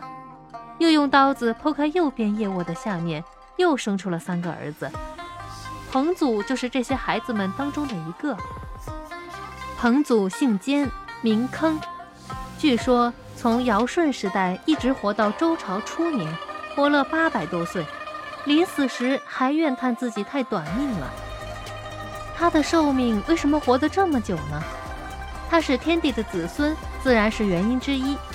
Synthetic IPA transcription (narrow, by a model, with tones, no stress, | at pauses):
jo˥˧ʊjʊ˥˩ŋt̪ɑ˥ʊd͡zɹ̩˨pʰo˥ʊkʰa˥ɪjo˥˩ʊpjɛ˥njɛ˥˧wɔ˥˩d̪ə˩ɕja˥˧mjɛ˥˩n | jo˥˩ʊʂɤ˥ŋʈ͡ʂʰu˥lə˨sa˥nɡə˩ə̰˞˧˥d͡z̩˧ | pʰɤ˧˥ŋt͡su˨˩t͡ɕjo˥˧ʊʂɻ̩˥˧ʈ͡ʂɤ˥˩ɕjɛ˥xa˧˥ɪd͡zɹ̩˧mə˨˩nt̪ɑ˥ŋʈ͡ʂʊ˥ŋd̪ə˨i˧˥ɡə˥˩ | pʰɤ˧˥ŋt͡su˨˩ɕi˥˩ŋt͡ɕjɛ˥nmi˧˥ŋkʰɤ˥ŋ | t͡ɕy˥˩ʂwɔ˥ | t͡sʰʊ˧˥ŋjɑ˧˥ʊʂwə˥˩nʂɻ̩˧˥t̪a˥˩ɪi˥˩ʈ͡ʂɻ̩˧˥xwɔ˧˥t̪ɑ˥˩ʊʈ͡ʂo˥ʊʈ͡ʂʰɑ˧˥ʊʈ͡ʂʰu˥mi˧˥ŋpwɔ˥lə˥˧pa˥pa˨˩ɪt̪wɔ˥swe˥˩ɪli˧˥nsɹ̩˨˩ʂɻ̩˧˥xa˧˥ɪɥɛ˥˧nkʰa˥˧nt͡sɹ̩˥˩t͡ɕi˨˩t̪ʰa˥˩ɪt̪wa˨˩nmi˥˩ŋlə̰˩ | t̪ʰa˥d̪ə˨ʂo˥˧ʊmi˥˩ŋwe˥˩ɪʂə˧˥nmə˧xwɔ˧˥d̪ə˧ʈ͡ʂɤ˥˩mə˩t͡ɕjo˨˩ʊnə˦ | t̪ʰa˥ʂɻ̩˥˩t̪ʰjɛ˥nt̪i˥˩d̪ə˦t͡sɹ̩˨˩swə˥n | t͡sɹ̩˥˩ɻa˧˥nʂɻ̩˥˩ɥɛ˧˥ni˥nʈ͡ʂɻ̩˥i˥